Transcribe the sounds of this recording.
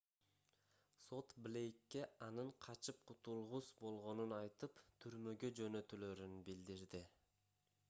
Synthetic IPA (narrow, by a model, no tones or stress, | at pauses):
so̞t̪blʲe̞jkːe̞ɑnɯɴqʰɑt͡ʃɯp̚qʰut̪ulˠʁusbo̞lˠʁo̞nunɑjt̪ɯpt̪ʰyɾmø̞ɡød͡ʒø̞nø̞t̪ylø̞ɾynbild̪iɾd̪ɪ